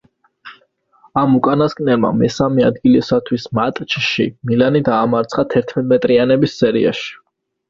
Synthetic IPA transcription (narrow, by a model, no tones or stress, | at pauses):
amukʼanaskʼnɛlma̰mɛsamɛad̪ɡilisat̪ʰwismat̪ʼt͡ʃʰʃḭmilanid̪aːmaɾt̪sʰχat̪ʰɛɾt̪ʰmɛt̪ʼmɛt̪ʼɾianɛbisːɛɾḭa̰ʃi̥